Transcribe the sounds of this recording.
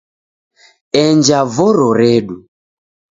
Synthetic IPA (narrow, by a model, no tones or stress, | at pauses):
ɛɲd͡ʒavɔɾɔɾɛɗu